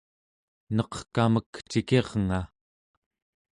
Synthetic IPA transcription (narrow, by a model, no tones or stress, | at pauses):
nʌqkaməkt͡ʃike̞ʁŋa